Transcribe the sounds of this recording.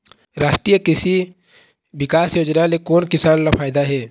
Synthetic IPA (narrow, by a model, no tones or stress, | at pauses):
ɾaːʃʈɾijəkɪsi | bɪkaːsjoːd͡ʒnalekoːnkɪsaːnlafʰaːjd̪aɦɛː